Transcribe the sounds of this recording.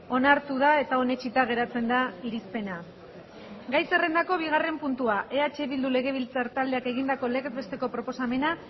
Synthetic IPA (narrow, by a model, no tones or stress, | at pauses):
o̞naɾt̪uðae̞t̪aone̞t͡ʃit̪aɣ̞e̞ɾat͡se̞nd̪aiɾispe̞na | ɡajse̞re̞nd̪ako̞β̞iɣ̞are̞mpunt̪uaʔe̞at͡ʃe̞βild̪ule̞ɣ̞e̞β̞ilt͡saɾt̪ald̪e̞ake̞ɣ̞ind̪ako̞le̞kt̪̚be̞st̪e̞ko̞pɾo̞po̞same̞na